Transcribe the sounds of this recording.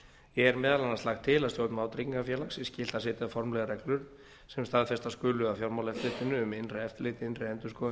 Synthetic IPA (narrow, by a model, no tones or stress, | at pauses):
jɛɣɛɾmɛːðalanːast̪axt̪ʰːɪlaðst̪jowɾt̪naawt̪ɾiŋkafjɛːlaxsiscɪːl̥t̪asɪːt̪ɪafɔɾmlɛɣaɾɛklʏɾ | sɛmst̪aðfɛst̪askʏːlʏafjowɾmawlɛft̪ɪht̪ɪnːʏːmɪnrɪɛft̪ɪlɪːt̪ɪɪnrɪɛnt̪ʏ̥skɔː